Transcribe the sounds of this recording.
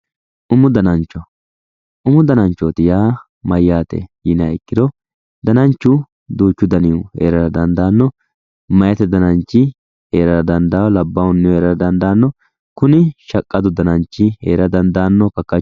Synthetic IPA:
ʔʊmʊd̪ɐnɐnt͡ʃːɔ | ʔʊmʊd̪ɐnɐnt͡ʃːot̪ɪjaː | mɐjːaːt̪ɛ̰jiːnɐɪkːɪd̪ɔ | d̪ɐnɐnt͡ʃːʊ | d̪uːt͡ʃːʊd̪ɐnɪʊḛːɾɐɾɐd̪ɐnd̪aːnːɔ | mɐjɐt̪ɛd̪ɐnɐnt͡ʃːɪ | eːɾɐɾɐd̪ɐnd̪awlɐbːɐwʊnːɛeːɾɐɾɐd̪ɐnd̪aːnːɔ | kʊnɪʃɐkʼːɐd̪ʊd̪ɐnɐnt͡ʃːɪḛːɾɐd̪ɐnd̪aːnːɔkɐkːɐ

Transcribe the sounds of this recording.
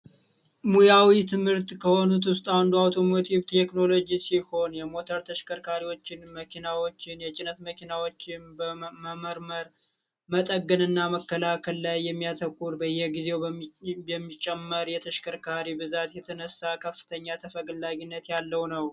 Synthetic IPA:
mujawit̪ʰɨmhɨɾt̪ʼkʰəho̞nut̪wʊst̪ʼand̪uawt̪ʰo̞mo̞t̪ʰiβt̪ʰekno̞lo̞d͡ʒisiho̞njɛmo̞t̪ʰəɾt̪ʰəʃkʰəɾkʰaɾiwo̞t͡ʃːɪnməkʰinawo̞t͡ʃːɪnjɛt͡ʃʼɪnət̪məkʰinawo̞t͡ʃːɪnbəməməɾməɾ | mət̪ʼəɡːənɨnːaməkːəlakʰəllajːɛmːijat̪ʰəkʼːuɾbəɨjːɛɡize̞wbɛmːit͡ʃʼːɛmːəɾjɛt̪ʰəʃkʰəɾkʰaɾibɨzat̪jɛt̪ʰənəsːakʰəfːɨ̥t̪ʰəɲːat̪ʰəfəɡlːaɡinːət̪jalːəwnəw

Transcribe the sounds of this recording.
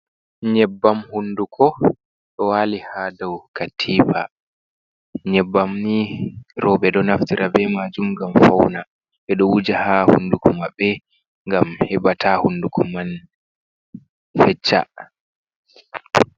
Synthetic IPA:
ɲɛbːamhundukʰɔ | ɗɔwaːlihadawkatʰiːpa̰ | ɲɛbːamniɾɔbɛɗɔnaftiɾʔabɛmad͡ʒumɡamfawna | ɓɛɗɔwud͡ʒahahṵnːdukɔmabɛ | ŋɡamhɛbatʰahundukʰɔman | fɛt͡ʃːa̰

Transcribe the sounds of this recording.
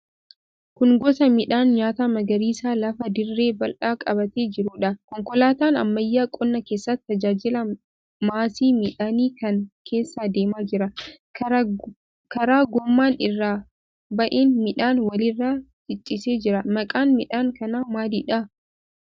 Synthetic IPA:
kʊnɡɔt̪ɐmɪᶑaːnɲaːt̪aːmɐɡɐɾiːsaːlɐfɐd̪ɪrːe̞ːbɐlᶑaːkʼɐbɐt̪eːd͡ʒɪɾuːᶑɐkɔŋkɔlaːt̪aːnɐ̰mːɐjːaːkʼɔnːɐke̞ːsːɐt̪ːɐd͡ʒaːd͡ʒɪlɐ | maːsiːmɪᶑaniːkɐnkʰe̞ːsːaːd̪e̞ːmaːd͡ʒɪɾɐ | kɐɾaːɡɔmːaːnɪrːaː | bɐʔeːnmɪᶑaːnwɐlɪrːaː | t͡ʃɪt͡ʃʼːɪse̞ːd͡ʒɪɾɐmɐkʼaːnmɪᶑaːŋkɐnaːmaːd̪iːᶑɐ

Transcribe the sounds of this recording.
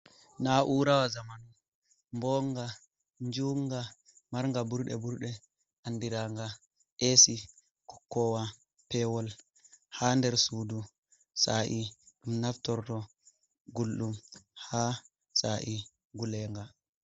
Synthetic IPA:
naʔuɾawazamanu | mbɔŋɡa | ɲd͡ʒuŋɡa | maɾŋɡabuɾɗɛ̰buɾɗɛ | ʔanːdiɾaŋɡa | ʔesi | kɔkːɔwa | pɛwɔl | handɛɾsuːdu | saʔiɗumnaftɔɾtɔ | ɡulɗumha | saʔi | ɡulɛŋɡa

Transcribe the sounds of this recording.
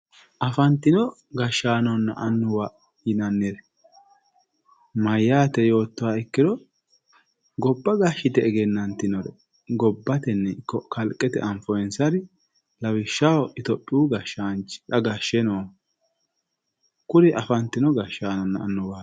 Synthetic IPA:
ʔɐfɐnt̪ːɪnɔ | ɡɐʃːaːnɔnːɐʔɐnːʊwa | ɪnɐnːɛɾɛ | mɐjːaːt̪ɛjo̞ːt̪ːɔwaːɪkːɪd̪ɔ | ɡɔbːɐɡaʃːɪt̪ɛːɡɛnːɐnt̪ɪnɔɾɛ̰ | ɡɔbːɐt̪ɛnːɛkːɔkɐlkʼːɛt̪ɛʔɐɱfɔɛnsɐɾɪ | lɐwɪʃːɐwɔʔɪt̪ɔpʼːɪuɡɐʃːaːnt͡ʃɪ̥ᶑɐɡaʃɛno | kʊɾɪʔɐfɐnt̪ːɪnɔɡɐʃːaːnɔnːɐːnːʊwaː

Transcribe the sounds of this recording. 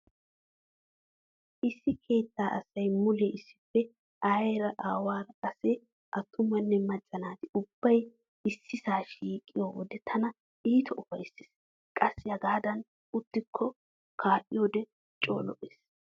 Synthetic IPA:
ʔɪsːɪkʰe̞ːt̪ːaːʔɐsːɐjmʊleːʔɪsːɪ̥fːɛ | ajɾɐʔaːwaːɾɐɐse | ʔɐt̪ʰːʊmɐnːɛmɐt͡ʃʼːɐnaːt̪ɪʊb̥ːɐj | ɪsːɪsaːʃiːkʼːɪjoːwɔd̪ɛt̪ʰɐnɐ | iːt̪ʰɔʔʊfɐjsɪ̥ːs | kʼɐsːɪjɐɡaːd̪ɐn | ʊt̪ːɪkʰːɔ | kʰaːʔɪjoːd̪ɛ | t͡ʃʼo̞ːlɔʔeːs

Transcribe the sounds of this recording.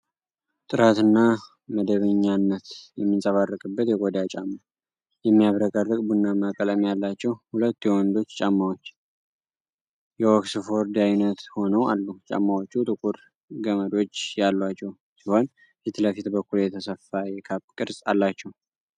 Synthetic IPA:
t̪ʼɨɾat̪ɨnːa | məd̪əβəɲːanːət̪jɛmːinsʼəβarːəkʼɨbːət̪jɛɡod̪at͡ʃʼamːa | jɛmːijaβɾəkʼərːɨkʼbunːamakʼələmjalːat͡ʃːɛwhulət̪ːjɛwɔnd̪o̞t͡ʃːt͡ʃʼamːawot͡ʃː | jɛwoksfo̞ɾd̪ajnət̪ho̞nəwa̰lːut͡ʃʼa̰mːawot͡ʃːut̪ʼɨkʼuɾ | ɡəməd̪o̞t͡ʃːjalːat͡ʃːɛw | siho̞n | fit̪ləfit̪bəkːuljɛt̪ʰəsəfajɛkʰapʼkʼɨɾsʼalːat͡ʃːɛw

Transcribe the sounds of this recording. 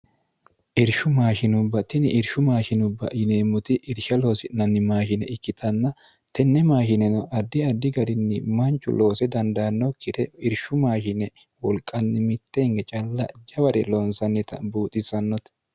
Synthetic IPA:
ʔɪɾʃʊmaːʃɪnʊbːɐt̪ɪnɪʔɪɾʃʊmaːʃɪnʊbːɐ̰jɪneːmːʊt̪ɪʔɪɾʃɐlo̞ːsɪnɐnːɪmaːʃɪnɛɪkːɪt̪ʰɐnːɐ | t̪ɛnːɛmaːʃɪnɛnɔʔɐd̪ːɪɐd̪ːɪɡɐɾɪnːɪmɐnt͡ʃʼːʊ̰lo̞ːsɛd̪ɐnd̪ɐːnːɔkɪd̪ɛɪɾʃʊmaːʃɪnɛ | wɔlkʼːɐnːɪmɪt̪ːeːŋɡɛt͡ʃʼɐlːɐd͡ʒɐbɐɾɛlɔnsɐnːɛt̪ɐ̰buːt̪ʼɪsɐnːɔt̪ɛ̥

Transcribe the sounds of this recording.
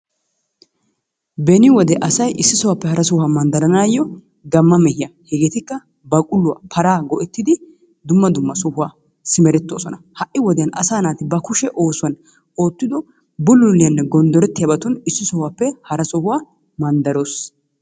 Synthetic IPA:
bɛnɪwɔd̪ɛʔɐsɐjʔɪsːɪsɔwaːpːɛhɐɾɐsɔhʊamɐnd̪ɐɾɐnaːjːɔ | ɡɐmːɐmɛhɪjahɛɡeːt̪ɪkːɐ | bɐkʼʊlːʊwa̰ːpʰɐɾaːɡɔʔɛt̪ːɪd̪ɪ | d̪ʊmːɐd̪ʊmːɐsɔhʊwaː | sɪmɛɾɛt̪ːo̞ːsɔnɐhɐʔːɪwɔd̪ɛjɐnɐ̰saːnaːt̪ɪbɐkʊʃɛʔoːsʊwɐn | o̞ːt̪ːɪd̪ɔ | bʊlʊlːɪjɐnːɛɡɔnd̪ɔɾɛt̪ːɪjɐbɐt̪ʊnɪsːɪsɔhwaːpːɛhɐɾɐsɔhʊwaː | mɐnd̪ɐɾoːs

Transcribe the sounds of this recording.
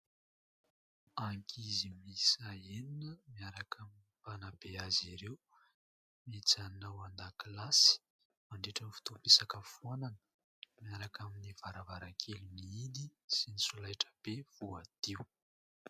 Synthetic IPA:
aŋkʰizimisaeninəmiaɾakaminipanab̥eaziɾew | mit͡sanawand̪akilasi̥ | maɳɖ͡ʐeʈ͡ʂənifi̥t̪upesakəfuananə̥ | miaɾakaminiv̥aɾavaɾakʰeliniid̪isinisulajʈ͡ʂə̥b̥ev̥uad̪̥iw

